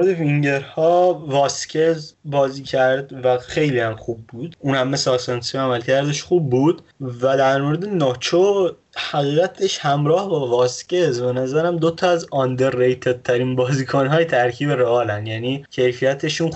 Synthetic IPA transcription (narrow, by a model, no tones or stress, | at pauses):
oɾed̪eviŋɟe̞ɾhɒːvɒːscʰezbɒːziːcʰæɾd̪væxe̞jlihæmxuːbːuːd̪uːnhæmːesːsɑnsiæmælcʰæɾd̪eʃxuːbːuːd̪̥væd̪æɾmoɾe̞d̪e̞nɒːt͡ʃʰo | hæɣiːɣæt̪ʰe̞ʃhæmɾɒːhbɒːvɒːscezbe̞næzæɾæmd̪ot̪ʰɒæzɒnd̪eɾːejt̪ʰed̪̥̚t̪ʰːæɾiːnbɒːziːkʰonɦɒːjet̪ʰæɾcʰiːbeɾeɒːlænjæniːcʰe̞jfijæt̪ʰeʃũn